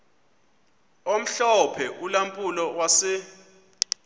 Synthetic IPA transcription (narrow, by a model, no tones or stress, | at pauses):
om̩ɬɔpʰɛʔulampʼulɔwasɪ